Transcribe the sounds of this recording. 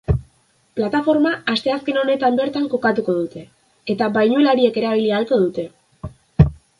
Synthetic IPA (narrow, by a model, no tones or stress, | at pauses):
plat̪afo̞ɾmaːst̪e̞aske̞no̞ne̞t̪ambe̞ɾt̪aŋko̞kat̪uko̞ðut̪e̞ː | t̪abajɲuelaɾie̞ke̞ɾaβ̞ilialt͡so̞ðut̪e̞